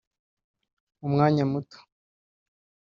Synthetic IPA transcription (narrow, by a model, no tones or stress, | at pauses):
umŋaːɲamuto̥